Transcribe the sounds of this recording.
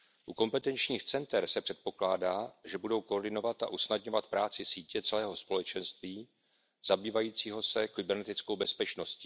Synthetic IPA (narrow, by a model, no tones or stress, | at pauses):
ʔuko̞mpɛt̪ɛnt͡ʃɲiːxt͡sɛnt̪ɛɾsɛpr̝̥ɛt̪̚po̞klaːdaːʒɛbudo̞wkoːrɾdɪno̞vat̪ʔa̰ʔusnadɲo̞vat̪̚pɾaːt͡sɪsiːcɛt͡sɛlɛːɦo̞spo̞lɛt͡ʃɛnst̪viː | zabiːvajiːt͡siːɦo̞sɛkɪbɛɾnɛt̪ɪt͡skowbɛspɛt͡ʃno̞sciː